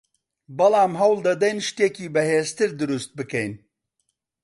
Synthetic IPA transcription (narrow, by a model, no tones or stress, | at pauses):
bɐlˠɑːmɦɐwlˠd̪ɐd̪ɐjnʃt̪eːkiːbɐheːzt̪ɨɾd̪ɨɾust̪̚bɨkɛjn